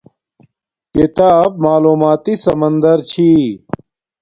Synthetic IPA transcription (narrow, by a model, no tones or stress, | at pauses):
kit̪aːb̚maːluːmaːt̪isɐmɐnd̪ɐɾt͡ɕʰi